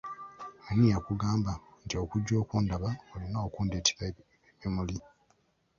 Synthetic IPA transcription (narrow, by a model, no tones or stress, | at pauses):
manijakuɡaːmbantio̞kuɟːo̞ːkuːndaβaolinaokuːndeti̥ɾa | mimuli